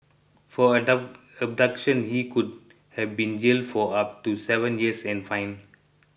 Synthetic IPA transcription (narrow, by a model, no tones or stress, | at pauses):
fɔ | əb̚ɖʌkʃə̃nhiːkʊɖ | hɛʋbĩːnd͡ʒɪlfɔʌp̚ʈusɛʋə̃njiəsɛ̃nfãɪ̃n